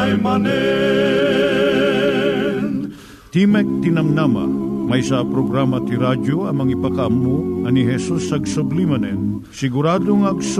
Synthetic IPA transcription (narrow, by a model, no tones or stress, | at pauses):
jmɐnɛ | t̪imɛk̚t̪ɪnɐmnamɐ̰mɐjsɐpɾoɡɾamɐt̪iɾad͡ʒoɐŋmɐŋipɐkɐɐmːuɐniɦɛsusɐɡsʊblimɐnɛn | sɪɡʊɾaːd̪oŋɐɡs